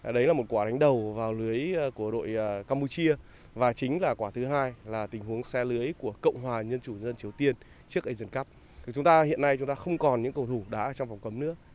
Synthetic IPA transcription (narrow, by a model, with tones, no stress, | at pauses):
ɗə˨˦jlaː˨˩mo˨˩kwaː˧˩ɗa˨˦ŋ̟ɗə˨˩wvaː˨˩wlɨ˨˦əjku˧˩əɗo̰˧˨jkaː˧mpu˧t͡ɕi˧ə | vaː˨˩t͡ɕï˨˦ŋ̟laː˨˩kwaː˧˩t̪ʰɨ˨˦ɦaː˧jlaː˨˩t̪ï˨˩ŋ̟ɦu˨˦əŋsɛ˧lɨ˨˦əjku˧˩əkə̰˧˨wŋ͡mɦwaː˨˩ɲə˧nt͡ɕu˧˩˧zə˧nt͡ɕi˨˩əwt̪i˧ən | t͡ɕɨ˦˥ək̚ʔə˨˧jzə˨˧˩nka˦˥p̪̚ʰt͡ɕʊ˨˦ŋ͡mt̪aː˧hḭ˧˨ənːa˧jt͡ɕʊ˨˦ŋ͡mt̪aː˧xə˧wŋ͡mkɔ˨˩nɲɨ̰˧˥ŋkə˨˩wt̪ʰu˧˩ɗa̰ː˨˧˥t͡ɕɔ˧wŋ͡mfɔ˨˩wŋ͡mkə˨˦mnɨ̰˧˥ə